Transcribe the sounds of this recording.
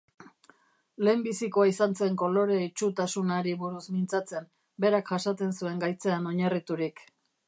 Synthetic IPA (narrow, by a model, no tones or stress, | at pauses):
le̞ːmbisiko̞aisant͡se̞ŋko̞lo̞ɾe̞it͡ʃut̪asunaɾiβuɾusmint͡sat͡se̞m | be̞ɾakʝasat͡se̞nsue̞ŋɡajt͡seano̞ɲarit̪uɾik